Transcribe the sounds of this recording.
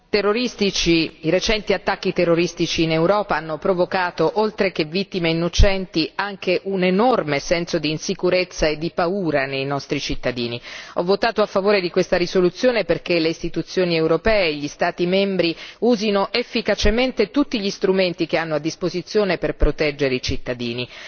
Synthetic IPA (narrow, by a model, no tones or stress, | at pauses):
t̪erːoɾist̪it͡ʃiiɾet͡ʃɛnt̪iat̪ːakːit̪erːoɾist̪it͡ʃiːnewɾɔːpaanːopɾovokaːt̪oʔolt̪ɾekevːit̪ːimeinːot͡ʃɛnt̪iaŋk̟eʔunenɔrmesɛnsod̪iːnsikuɾet̪sːaed̪ːipauːɾanejnɔst̪ɾit͡ʃit̪ːad̪iːniɔvːot̪aːt̪oafːavoːɾed̪ikwest̪aɾisolut̪sːjoːneperkeleist̪it̪ut̪sːjoːniewɾopɛːeʎːist̪aːt̪imɛmbɾiuːzinoʔefːikat͡ʃement̪et̪ut̪ːiʎist̪ɾument̪ik̟eanːoad̪ːispozit̪sjoːneperpɾot̪ɛd͡ʒːeɾeit͡ʃit̪ːad̪iːni